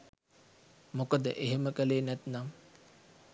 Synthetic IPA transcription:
mokəd̪əʔeɦeməkəleːnæt̪nam

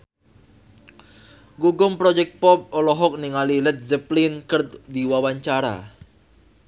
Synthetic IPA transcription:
ɡuɡʊmpɾɔd͡ʒɛk̚t̪̚pɔp̚ɔlɔɦɔk̚niŋalilɛt̪̚zəplinkərt̪diwawaɲt͡ʃaɾa̰

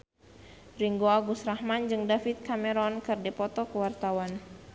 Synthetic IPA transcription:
riŋɡoaɡusrahmand͡ʒɨŋdafit̪̚kamɛɾɔnkɨrdipɔt̪ɔkəwart̪awan

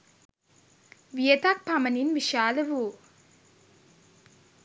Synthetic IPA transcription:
ʋijet̪ak̚paməninʋiʃaːləʋuː

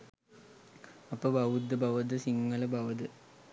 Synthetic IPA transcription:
ɐpːɐːbʱɐwud̪ɐbʱɐʋɐd̪ɐsiŋːɐlɐbʱɐʋɐd̪ɨ

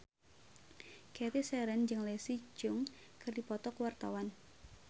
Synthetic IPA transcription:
kɛt̪isɛɾɛnd͡ʒɨŋlesid͡ʒʊŋ | kɨrdipɔt̪ɔkəwart̪a̰wan

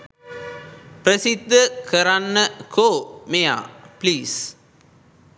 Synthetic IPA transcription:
pɾɐsɪd̪ʱːɐkɐɾanːɐkʰoːmeja̰ːpliːs

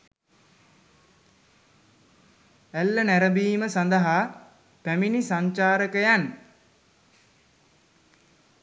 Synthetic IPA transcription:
ælːənæɾəbiːməsand̪əɦa | pæminisaɲt͡ʃaːɾəkəjan

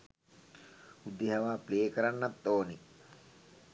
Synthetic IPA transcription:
ud̪ːeɦaʋaːpleːkəɾanːat̪ːoːni

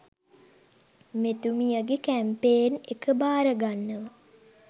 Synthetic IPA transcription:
met̪umijəɡekæmpeːnekəbaːɾəɡanːəʋə

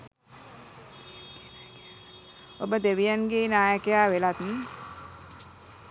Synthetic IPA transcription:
obəd̪eʋijanɡenaːjəkejaːʋelat̪nə

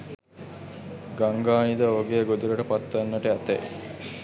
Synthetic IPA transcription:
ɡaŋɡaːnid̪əoːɡejɡod̪uɾəʈəpat̪ːʋanːəʈəæt̪ḛj

